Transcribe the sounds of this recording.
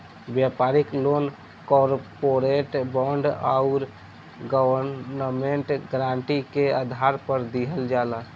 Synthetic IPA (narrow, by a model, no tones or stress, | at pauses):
bjapaɾiklon | kɔɾpoɾeʈbɔɳɖa̰ʊɾ | ɡəwəɾnəmeɳʈɡɾãɳʈikead̪ʱaɾpəɾd̪iɦəld͡ʒala